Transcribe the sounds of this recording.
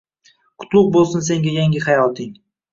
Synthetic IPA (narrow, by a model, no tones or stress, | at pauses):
kʰʊ̥t̪lˠʊq̚bolˠsʊns̬e̞ŋɡʲajaŋɡʲɪχajɒlˠt̪ɪŋ